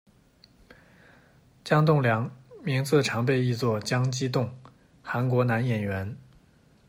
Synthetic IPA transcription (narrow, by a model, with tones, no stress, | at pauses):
t͡ɕjɑ˥ŋt̪ʊ˥˩ŋljɑ˧˥ŋmi˧˥ŋt͡s̩˥˩ʈ͡ʂʰɑ˧˥ŋp̬e˥˧ɪi˥˧t͡swɔ˥˩t͡ɕjɑ˥ŋt͡ɕi˥t̪ʊ˥˩ŋ | xa˧˥nkwɔ˧˥na˧˥njɛ˨˩nɥɛ˧˥n